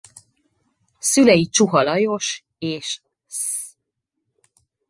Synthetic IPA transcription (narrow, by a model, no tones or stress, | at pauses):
sylɛjit͡ʃuɦɒlɒjo̞ʃ | eːʃ | s